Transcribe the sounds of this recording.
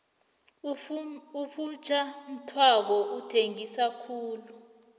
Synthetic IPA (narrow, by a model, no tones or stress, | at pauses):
ufut͡ʃʰʼam̩tʰwak̬ɔʔutʰeŋisakʰuːlu